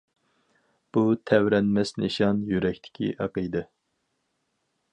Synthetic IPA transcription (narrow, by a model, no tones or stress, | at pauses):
b̥ut̪ʰɛwɾɛnmɛsneʃɑnjyɾɛkʲt̪ʰɪ̥kʲʰḭʔɑqəjd̪ɛ